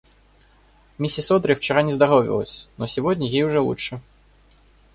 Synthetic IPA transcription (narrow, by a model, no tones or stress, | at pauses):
mʲisʲisɔd̪ɾɨwt͡ʃaɾanʲɛzd̪aɣɔvʲḭlˠə̰sʲnɔsʲivɔd̪ʲnʲɐjejuʐɛlˠṵtʂɨ